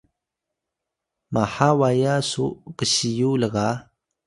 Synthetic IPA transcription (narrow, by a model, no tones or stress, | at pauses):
maħawajasukəɕijuləɣa